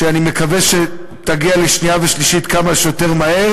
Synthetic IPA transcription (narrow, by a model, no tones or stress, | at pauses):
ʃeanimekaveʃe | t̪aɡialeʃniaveʃliʃitkamaʃjote̞ʁmahe̞